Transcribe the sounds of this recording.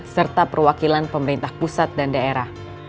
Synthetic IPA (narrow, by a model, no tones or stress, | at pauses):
t̪̚sərt̪apərwakilanpəməɾint̪ahpusat̪̚dandaeɾah